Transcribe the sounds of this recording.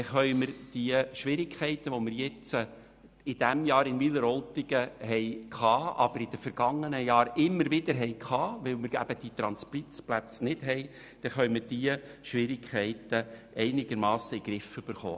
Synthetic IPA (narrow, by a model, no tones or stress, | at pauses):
ɛχœʏməɾd̥iəʃʋɪɾɪkχɛɪtəʋomɪɾjɛt͡sə | ɪd̥ɛmjɑːɾɪnʋiləɾɔltɪɡ̥əɦɛɪkʰɑːʔɑ̰b̥əɾɪd̥əfɛɾɡ̥ɑŋːənəjɑːɾɪmːəɾʋɪd̪əɾɦɛɪkχɑːʋɪlmɪɾæ̰b̥əd̥it̪ɾɑnsplit͡splæt͡snɪd̥ɦɛɪ | d̥ɛχœɥməd̥iəʃʋɪɾɪkʰχɛɪt̪əʔɛɪnɪɡ̥əɾmɑːsəiɡ̥ɾɪfʏb̥əɾχo̰ː